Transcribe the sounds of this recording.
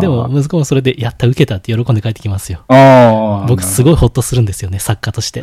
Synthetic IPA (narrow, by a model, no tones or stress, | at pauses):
d̪e̞mo̞mɯ̟zɨkomoso̞ɾe̞d̪ejat̪ːaɯ̟ke̞t̪at̪ːejo̞ɾokõ̞nd̪ekaet̪ːekʲimasɨjo̞ | bo̞kɯ̟sɨɡo̞iho̞t̪ːosɨɾɯ̟nd̪e̞sɨjo̞ne̞sakːat̪o̞ɕi̥t̪e̞